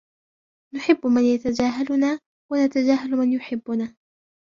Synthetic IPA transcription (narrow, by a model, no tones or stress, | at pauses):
nʊħɪbːmanjat̪ad͡ʒaːɦalʊnaː | wanat̪ad͡ʒaːɦalmanjʊħɪbːʊnaː